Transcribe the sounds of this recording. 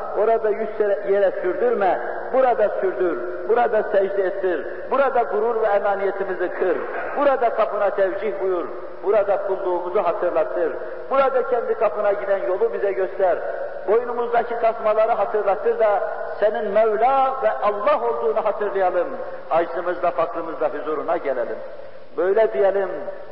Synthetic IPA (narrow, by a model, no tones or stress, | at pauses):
o̞ɾad̪ajysɛɾɛjɛɾɛsyɾd̪yɾmɛ | buɾad̪asyɾd̪yɾ | buɾad̪asɛd͡ʒd̪iet̪ʰːiɾ | buɾad̪aɡuɾuɾvɛːmaːnijɛt̪ʰimizikʰɯɾ | buɾad̪akʰɑpɯnat̪ʰɛvd͡ʒihbujuɾ | buɾad̪akʰulˠd̪uːmuzuɦɑt̪ʰɯɾlˠɑt̪ʰɯɾ | buɾad̪acʰɛnd̪ikʰapɯnaɟid̪ænjo̞lˠubizɛɟøst̪ʰæɾ | bo̞junumuzd̪acʰit̪ʰɑsmɑlˠɑɾɯɦɑt̪ʰɯɾlˠɑt̪ʰːɯɾd̪ɑ | sɛninmɛvlʲavɛʔɑlˠːɑɦo̞lˠd̪uːnuɦɑt̪ʰɯɾlˠɯjɑlˠɯm | hɑd͡ʒlˠɯmɯzlˠafɑklˠɯmɯzlˠaɦyzuɾunaɟɛlɛlʲim | bøjlɛd̪ijɛlʲim